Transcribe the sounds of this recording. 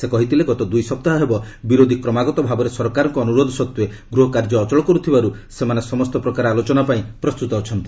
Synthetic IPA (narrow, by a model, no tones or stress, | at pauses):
sekɔɦit̪ʰileɡɔt̪ɔd̪ujsɔp̚t̪aɦaɦebɔ | biɾod̪ʱikɾɔmaɡɔt̪ɔbʱabɔɾesɔɾkaɾɔŋkɔːnuɾod̪ʱɔsɔt̪we | ɡɾuɦɔkaɾd͡ʒɔːt͡ʃɔɭɔkɔɾut̪ʰibaɾusemanesɔmɔst̪ɔpɾɔkaɾɔalot͡ʃɔnapaĩpɾɔst̪ut̪ɔːt͡ʃʰɔnt̪i̥